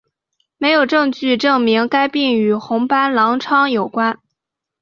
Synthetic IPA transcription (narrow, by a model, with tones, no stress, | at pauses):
me˧˥ɪjo˨˩ʊʈ͡ʂɤ˥˧ŋt͡ɕy˥˧ʈ͡ʂɤ˥˩ŋmi˧˥ŋka˥ɪpi˥˩ŋy˨˩xʊ˧˥ŋpa˥nlɑ˧˥ŋʈ͡ʂʰɑ˥ŋjo˨˩ʊkwa˥n